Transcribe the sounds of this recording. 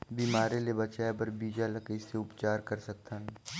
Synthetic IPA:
biːmaːɾelebɐt͡ʃaːepɐɾbiːd͡ʒalɐkəiseʊpt͡ʃaːɾkɐɾsɐk̚t̪ʰaɦɛː

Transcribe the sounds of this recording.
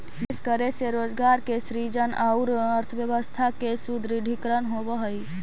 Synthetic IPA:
eskəɾeseɾod͡ʒɡaɾkesɾid͡ʒənʔaʊɾəɾt̪ʰəbjəbəst̪ʰakesud̪ɾiɖʱikɾənɦobəɦəj

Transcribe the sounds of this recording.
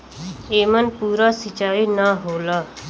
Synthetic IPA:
eːmənpuːɾasit͡ʃaːinaɦoːlaː

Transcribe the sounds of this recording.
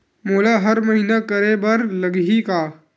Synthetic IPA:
moːlaɦɐɾmɐɦiːnakəɾebɐɾlɐɡɦikaː

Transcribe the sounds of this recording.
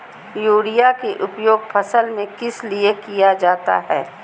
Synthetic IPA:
juːɽijakeʔʊpjoːɡfʰɐsəlmẽkɪsliekijad͡ʒaːt̪a̰ɦɛː

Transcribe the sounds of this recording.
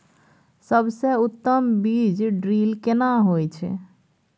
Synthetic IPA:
səbseut̪ːəmbid͡ʒɖɾilkenaɦojt͡ʃʰɛ̰

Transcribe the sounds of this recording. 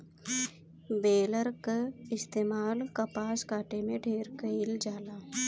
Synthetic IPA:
beːləɾkɪst̪eːmaːlkəpaːskaːʈemẽɖʱeːɾkəɪld͡ʒaːlaː

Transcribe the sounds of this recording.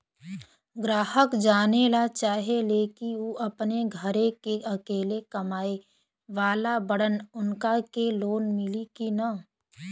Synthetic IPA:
ɡɾaːɦəkd͡ʒaːnelat͡ʃaːɦeleːkiuʔɐpneɡʱəɾekeʔɐkeːlekɐmaːe | ʋaːlabəɽənʊnkakeloːnmɪlikina

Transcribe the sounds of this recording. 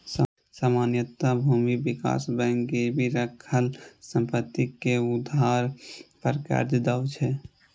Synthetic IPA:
s | samaːnjət̪abʱuːmibika̰sbɛ̃ŋkebʱiɾəkʰəlsə̃mpət̪ːikeud̪ʱaɾpəɾkə̰ɾd͡ʒ̪d̪awt͡ʃʰɛ

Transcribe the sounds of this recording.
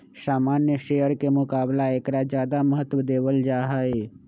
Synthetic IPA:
saːmaːnjəʃejəɽkemʊkaːblaeːkɾad͡ʒjaːd̪aməɦət̪ːʋəd̪eːʋəld͡ʒaːɦae

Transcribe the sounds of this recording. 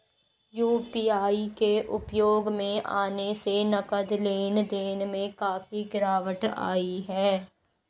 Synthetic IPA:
juːpiːaːikeʔʊpjoːɡmẽʔa̰ːnesenəkəd̪leːnd̪eːnmẽkaːfiɡɪɾaːʋəʈa̰ːiɦɛː

